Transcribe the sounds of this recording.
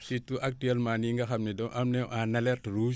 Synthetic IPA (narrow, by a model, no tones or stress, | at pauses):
sitːuʔak̚tiɛlmaːniŋɡɐxamnɛdɔʔɐmnɛwʔanɐlɛrtɾu